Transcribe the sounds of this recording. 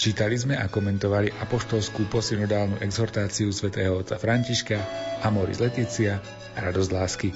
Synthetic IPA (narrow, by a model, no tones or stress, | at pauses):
t͡ʃiːt̪alizmɛakɔmɛnt̪ɔʋaliʔapɔʃt̪ɔlskuːpɔsinɔd̪aːlnṵːʔɛɡzɔɾt̪aːt͡siusʋɛt̪ɛːɦɔɔt͡safɾaɲciʃkaamɔɾḭzlɛt̪iːt͡sia | ɾad̪ɔzɟlaːski